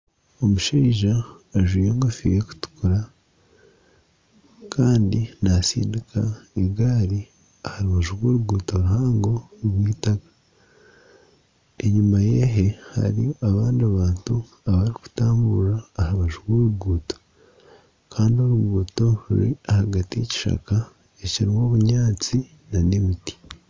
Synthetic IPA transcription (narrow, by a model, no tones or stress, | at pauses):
o̞muʃiːʒaː | ʒwiːjeŋɡofḭjeku̥tu̥kuɾa | kʰaːndinasḭːndikʰaeɡaːɾi | ahaɾuβaʒuɡoːɾuɡuːtoɾuɦaːŋɡo̞βwiːtakḁ | e̞ɲumaje̞ɦe̞ha̰ɾiaβaːndiaβaːntu | aβaɾiku̥taːmbuɾaːhaβaʒuɡoːɾuɡuːto̥ | kʰaːndio̞ɾuɡuːto̞ɾṵɾiahaɡatijeci̥ʃa̰ka | eciɾimo̞ːβuɲaːt͡si | nane̞miti̥